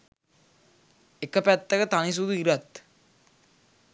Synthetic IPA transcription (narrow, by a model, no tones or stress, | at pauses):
ekəpæt̪ːəkət̪anis̬ud̪uiɾat̪